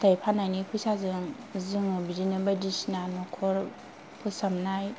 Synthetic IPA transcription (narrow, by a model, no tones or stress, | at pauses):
tʰajpʰanajnipʰusazɯŋ | zɯŋɯbid͡ʒinɯbadisinanɔkʰɔɾ | pʰusamnaj